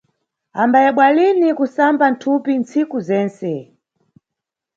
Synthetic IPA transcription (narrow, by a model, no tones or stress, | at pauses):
ambajɛɓwalinikusamban̩tʰupint͡sikuzɛːnsɛ